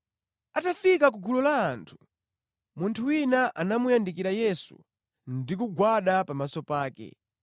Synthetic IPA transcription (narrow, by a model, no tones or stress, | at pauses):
atafikakuɡulɔlaːntʰu̥ | muntʰuwinaʔa̰namujandikiɾajɛsṵ | ndikuɡwaɗapamasɔpaːkɛ̰